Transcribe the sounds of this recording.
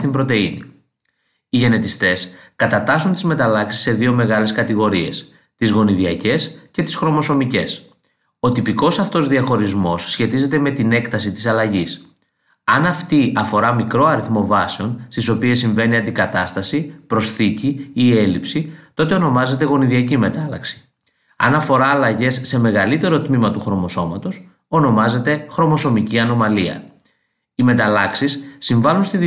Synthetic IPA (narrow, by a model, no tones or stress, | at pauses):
t̪imbɾo̞t̪e̞ini | iʝe̞ne̞t̪ist̪e̞skɐt̪ɐt̪ɐsunt̪izme̞t̪ɐlɐksi̥se̞ðio̞me̞ɣɐle̞skɐt̪iɣo̞ɾie̞̰s | t̪izɣo̞niðiɐce̞sce̞t̪i̥sxɾo̞mo̞so̞mice̞s | o̞t̪ipiko̞sɐft̪o̞zðiɐxo̞ɾizmo̞sːçe̞t̪ize̞t̪̬e̞me̞t̪ine̞kt̪ɐsit̪i̥sɐlɐʝis | ɐnɐft̪iʔɐfo̞ɾɐmikɾo̞ɐɾiθmo̞vɐseo̞nst̪iso̞pie̞sːiɱve̞niɐnd̪ikɐt̪ɐst̪ɐsipɾo̞sθiciːe̞lipsit̪o̞t̪e̞o̞no̞mɐze̞t̪e̞ɣo̞niðiɐcime̞t̪ɐlɐ̰ksi̥ | ɐ̰nɐfo̞ɾɐːlɐʝe̞sːe̞me̞ɣɐlit̪e̞ɾo̞t̪mimɐt̪uxɾo̞mo̞so̞mɐt̪o̞s | o̞no̞mɐze̞t̪e̞xɾo̞mo̞so̞miciɐno̞mɐliɐ̰ | ime̞t̪ɐlɐksisːiɱvɐlunst̪ið